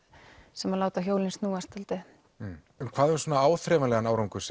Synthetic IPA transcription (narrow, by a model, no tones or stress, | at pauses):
sɛmaɾlaːwt̪açjowlinst̪nuːast̪alt̪ɪ | mkʰv̥aːðɛɾsoːnaaːwθɾɛːmalɛɣanaːwɾawŋkʏ̥sɛ